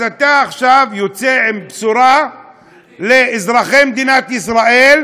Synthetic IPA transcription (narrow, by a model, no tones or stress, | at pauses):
at̪aːχʃavjot͡seʕimbsuɾa | leːzɾaχemed̪inat̪isɾaʔel